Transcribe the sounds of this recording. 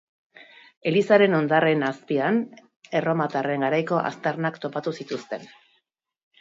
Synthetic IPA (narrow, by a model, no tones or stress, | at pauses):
e̞lisaɾe̞no̞nd̪are̞naspian | e̞ro̞mat̪are̞ŋɡaɾajko̞ʔa̰st̪arnakt̪o̞pat̪usit̪ust̪e̞n